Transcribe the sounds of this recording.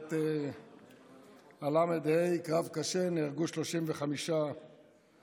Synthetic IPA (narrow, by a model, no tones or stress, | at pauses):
t̪e | alamed̪ejkʁavkaʃeniʁɡuʃlo̞ʃimveχamiʃa